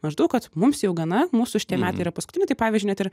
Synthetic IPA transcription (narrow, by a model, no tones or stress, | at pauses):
mɐʒd̪ɐʊkɐt̪mʊmsjɛʊɡɐnɐmuːsʊʃʲɪ̥t̪ʲiɛmʲæːt̪ɐɪiːɾɐpɐskʊ̥t̪ʲɪnʲɪt̪ɐɪpɑːʋʲizd͡ʒʲʊnʲɛt̪ɪɾ